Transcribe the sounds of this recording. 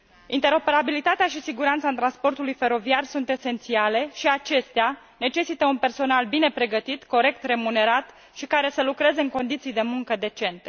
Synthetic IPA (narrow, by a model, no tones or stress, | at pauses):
int̪e̞ɾo̞pe̞ɾabilit̪at̪eaʃisiɡuɾant̪sat̪ɾanspo̞rt̪ulujfe̞ɾo̞viarsunt̪e̞se̞nt̪siale̞ʃiat͡ʃe̞st̪ea | ne̞t͡ʃe̞sit̪əunpe̞rso̞nalbine̞pɾe̞ɡət̪it̪ko̞ɾe̞k̚t̪re̞mune̞ɾat̪ | ʃikaɾe̞səlukɾe̞ze̞ɨŋko̞nd̪it̪sijd̪e̞muŋkəd̪e̞t͡ʃe̞nt̪e̞